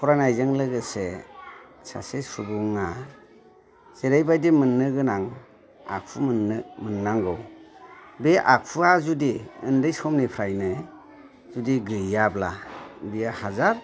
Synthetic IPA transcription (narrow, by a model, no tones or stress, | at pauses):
pʰɔɾanajzɯŋlɯɡɯse | sa̰sesubuŋa | z̥eɾajbajdimɯnːɯɡɯnaŋ | a̰k̚pʰumnmɯnːaŋɡɯw | beʔak̚pʰuazudiɯndɯjsɔmnipʰɾajnɯ | zudiɡɯjablabijahazaɾ